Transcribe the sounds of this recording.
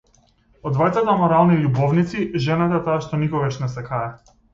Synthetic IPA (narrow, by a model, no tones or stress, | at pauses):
ɔd̪vajt̪sat̪amɔɾalˠnilʲubɔvnit̪siʒɛnat̪at̪aːʃt̪ɔnikɔɡaʃnɛsɛkaɾɛ